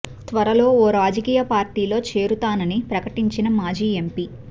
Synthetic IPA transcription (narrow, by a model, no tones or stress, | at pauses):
t̪ʋɐɾɐlo̞ːoːɾaːd͡ʒɐkiːjɐpaːɾʈiːlo̞ːt͡ʃe̞ːɾut̪aːnɐnipɾɐkɐʈiɲt͡ʃinɐmaːd͡ʒiːempi